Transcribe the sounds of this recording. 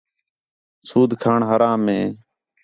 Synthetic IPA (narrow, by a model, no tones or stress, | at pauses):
suːd̪ʱkʰaːɳɦəɾãːmẽː